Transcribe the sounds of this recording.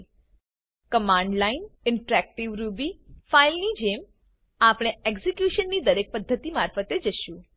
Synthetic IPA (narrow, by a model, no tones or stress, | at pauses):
kəmãːɳɖlainɪɳʈɾɛk̚ʈiʋɾubifailnid͡ʒem | apɽ̃eeksikjuʃənːid̪əɾek̚pəd̪ʱːət̪imaɾfət̪ed͡ʒəʃũ